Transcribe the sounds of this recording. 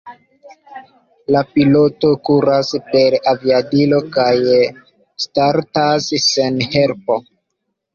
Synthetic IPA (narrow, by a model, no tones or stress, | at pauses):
lapilo̞to̞kuɾaspe̞ɾaviadilo̞kaj | staɾtasːenhe̞ɾpo̞